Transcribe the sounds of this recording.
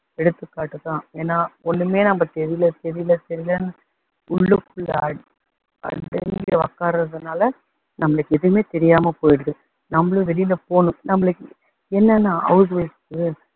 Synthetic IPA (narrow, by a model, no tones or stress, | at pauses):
ɛɽɯt̪ːɯkːaːʈːɯt̪ːãːeːnːaːɔnːɯmeːnɐmːɐt̪ɛɾɪjlɐt̪ɛɾɪjlɐt̪ɛɾɪlɐn | ʊɭːɯkːʊɭːɐ̰ | ɐ̰ɖɐ̰ŋɡɐʋɐ̰kːaːɾɾɐðɯnaːlɐ | nɐmːɐɭɯkːɛðɯɯmeːt̪ɛɾɪjaːmɐpoːjɪɽɯkːɯ | nɐmːɐɭɯ̃ʋɛɾɪjlɐpoːnʊ̃nɐmːɐɭɯkːɯ | ɛnːɛnːaːʔɐ̰ʋðʋɐɪskɯ